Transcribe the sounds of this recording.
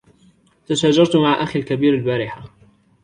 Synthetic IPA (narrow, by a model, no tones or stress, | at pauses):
t̪aʃaːd͡ʒɑɾˤt̪maʕʔaxalkabiːɾalbaːɾɪħa